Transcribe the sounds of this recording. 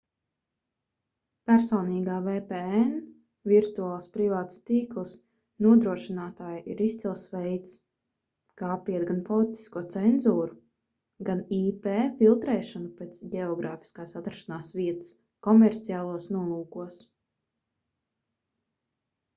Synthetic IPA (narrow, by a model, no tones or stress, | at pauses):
pæɾsɔːniːɡaːvɛːpɛɛn | vʲiɾt̪uaːlˠspɾivaːt̪st̪iːklˠs | nuɔd̪ɾuɔʃinaːt̪aːjʔḭɾist̪silˠsʋɛjt̪s | kaːpiɛt̪ɡanpɔlˠit̪i̥skuɔt̪sɛnzuːɾu | ɡaniːpeːfilˠt̪ɾɛːʃanupɛːt̪sɟɛɔɡɾaːfi̥skaːsat̪ɾaʃanaːsviɛt̪ɨ̥s | kɔmɛɾt̪siaːlˠuɔsnuɔlˠuːkuɔs